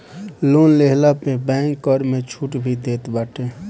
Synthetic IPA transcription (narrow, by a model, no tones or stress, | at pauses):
loːnleɦlapebɛ̃ŋkːəɾmet͡ʃʰuʈbʱid̪eːt̪baːʈe